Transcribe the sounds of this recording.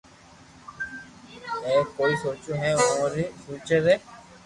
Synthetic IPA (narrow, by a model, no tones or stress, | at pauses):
ɛːkoːisoːt͡ʃõɦɛ̃ːoːɾisuːt͡ʃeɾɛː